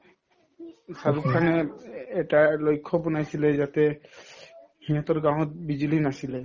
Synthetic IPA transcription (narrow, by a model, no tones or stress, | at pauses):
saɾupkʰaneɛʈalojkʰːɔpɔnajsiled͡ʒat̪e | hĩɔt̪ɔɾɡɾãɦɔt̪̚bid͡ʑilinasile